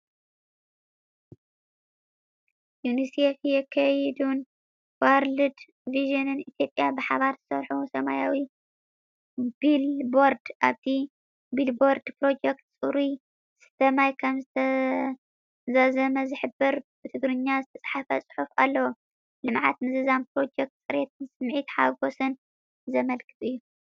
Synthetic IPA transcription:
junisefjɛkʰːɐjɛd̪un | waɾlɨd̪ | viʒɨnɨnit̪ʰjo̞pʼjabɨħaβaɾz̥ɨsɐɾħusɐma̰jawi | b̥ilbo̞ɾd̪ʔaβt̪ʰi | bilbo̞ɾd̪pɾo̞d͡ʒekt̪sʼɨɾi | sɨ̥t̪ʰɐmajkʰɐmzɨt̪ʰɐ | zazɐmɐzɨħɨbɨɾb̥ɨt̪ʰɨɡɾɨɲːazɨt̪ʰɐt͡sʼħafɐ̰t͡sʼħufa̰lːɐwu | lɨmʕa̰t̪mɨzɨzanpɾo̞d͡ʒek̚t̪̚t͡sʼɨɾet̪ʰɨnsɨmʕit̪ħaɡo̞sɨn | zɐmɐlkʰɨt̪ʼɨjːu

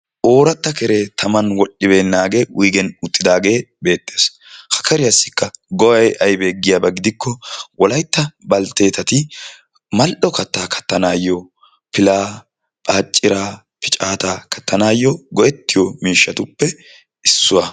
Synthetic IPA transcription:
ʔo̞ːɾɐt̪ːɐkɛɾeːt̪ʰɐmɐnwɔɗːɪbe̞ːnːaːɡe̞ːwʔijɡɛnʊt̪ʼːɪd̪aːɡe̞ːbe̞ːt̪ʼːe̞ːs | hɐ̥kɐɾɪjɐsːɪ̥kːɐɡɔwɐjʔɐjbe̞ːɡːɪjabɐɡɪd̪ɪkːɔwʔɔlɐjt̪ːɐbɐlt̪e̞ːt̪ɐt̪ɪ | mɐlʔɔkɐt̪ːaːkʰɐ̥t̪ːɐnaːjːɔ | pɪlaː | pʼaːt͡ʃʼːɪɾaː | pɪt͡ʃʼaːt̪aːkɐ̥t̪ːɐnaːjːɔɡɔʔɛt̪ːɪjɔmiːʃːɐt̪ʊpːɛ | ɪsːʊwɐ

